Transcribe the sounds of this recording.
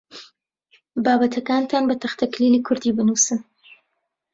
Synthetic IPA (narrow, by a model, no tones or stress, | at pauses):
bɑːbat̪ʰakɑnt̪ʰaːnbɐt̪axt̪ʰaklilikʰʊɾd̪ibɨnusɨn